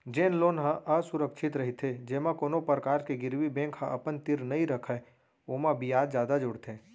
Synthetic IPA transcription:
d͡ʒeːnloːnɦãʔəsʊɾəkʃʰɪt̪ɾɐɦit̪ʰed͡ʒeːmãkoːnopəɾəkaːɾkeɡɪɾwibɛ̃ːŋkɦə̃ʔɐpənt̪ɪɾnɐɦĩɾəkʰə | oːmãbijaːd̪d͡ʒjaːd̪ad͡ʒʊɽt̪ʰẽː

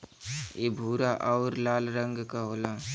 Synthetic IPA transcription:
ebʱuːɾaʔaʊɾlaːlɾə̃ŋɡkaɦoːlaː

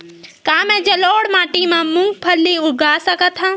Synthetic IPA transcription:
kaːmɛ̃d͡ʒəloːɽmaːʈimãmʊ̃ŋɡpʰəlːiʊɡaːsəkət̪ʰã

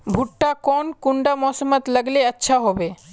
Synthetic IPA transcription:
bʱuʈːakɔnkuɳɖamɔːsəmət̪ləɡleətːʃʰaɦobe

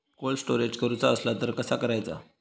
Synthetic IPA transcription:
kolsʈoɾed͡ʑkəɾut͡saəslat̪əɾkəsakəɾajt͡sa̰

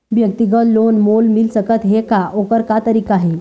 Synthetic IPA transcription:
bjək̚t̪iɡət̪lonmolmilsəkət̪ɦekaʔokəɾkat̪əɾiːkaɦe

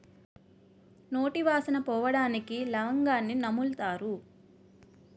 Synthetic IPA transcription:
no̞ːʈiʋaːsɐnɐpɔːʋɐɽaːnikilɐʋɐŋɡaːnːinɐmult̪aːɾu

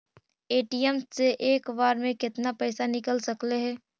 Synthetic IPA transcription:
eːʈijɛmsːeʔeːkʋaːɾmẽkɪt̪napɛːsanɪkəlsɐkleɦɛː

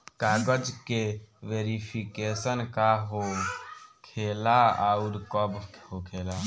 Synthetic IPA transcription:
kaːɡəd͡ʒkeʋeːɾipʰikeːsənkaɦo | kʰeːlaauɾkɔbɦokʰeːla

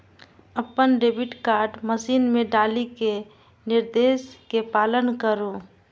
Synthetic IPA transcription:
əpənɖeːbɪʈkaːɾʈməsiːnmẽɖaːlike | nɪɾd̪eːskepaːlənkəɾoː

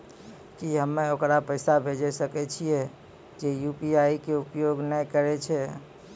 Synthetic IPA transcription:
kiɦəmːẽokɾapəɪsabʱed͡ʒesəkɛt͡ʃʰiɛ | d͡ʒejupiaːikeʊpjoːɡnəkəɾet͡ʃʰɛ

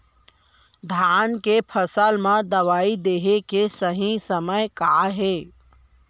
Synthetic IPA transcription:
d̪ʱaːnkepʰəsəlmãd̪ɐʋaːid̪eːɦekesəɦĩsəməjkaːɦeː

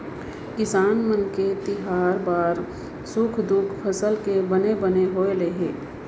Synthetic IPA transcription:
kɪsaːnmənket̪ɪɦaːɾbaːɾ | sʊkʰd̪ʊkʰpʰəsəlkebənebəneɦoːeleɦeː

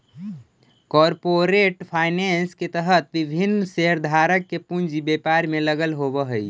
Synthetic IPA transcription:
kɔːɾpoɾeʈpʰaːɪnensket̪əɦət̪ʋɪbʱinːseɦəɾd̪ʱaɾəkːepund͡ʒibepaɾmẽləɡəlɦobəɦəi

